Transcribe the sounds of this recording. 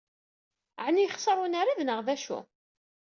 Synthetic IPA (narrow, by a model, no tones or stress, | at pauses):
ʕnijχsˤəɾˤunaɾiðnəʁðæʃṵ